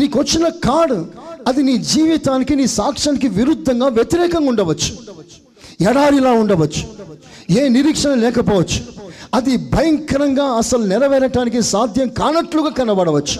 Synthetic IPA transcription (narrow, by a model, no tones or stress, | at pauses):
niːkuʋɐt͡ʃːinɐkaːɽɐd̪iniːd͡ʒiːʋit̪aːnikiniːsaːkʂɐnikiʋiɾud̪ʱːɐŋɡaːʋjet̪iɾɛːkɐŋɡuɳɖɐʋɐt͡ʃːu̥ | ɛɽaːɾilaːuɳɖɐʋɐt͡ʃːu̥ | eːniɾiːkʂɐnɐlɛːkɐpɔːʋɐt͡ʃːu̥ɐd̪ibʱɐjɐŋkɐɾɐŋɡaːɐsɐlunɛlɐʋɛːɾɐʈaːnik̬isaːd̪ʱjɐmkaːnɐʈluɡaːkɐnːɐbɐɽɐʋɐt͡ʃːu̥